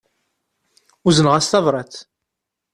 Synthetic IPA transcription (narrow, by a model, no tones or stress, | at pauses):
uzənʁæsθɑvɾˤɑt͡s